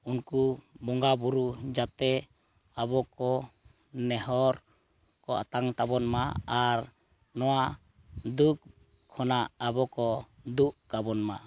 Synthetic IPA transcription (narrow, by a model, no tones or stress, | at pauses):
unkubɔŋɡabuɾud͡ʒat̪ɛ | abɔkɔ | nɛɦɔɾ | kɔʔa̰t̪aŋt̪abɔnmaaɾ | nɔwa | d̪uk̚ | kʰːɔnaʔabɔkɔ | d̪uʔkabɔnma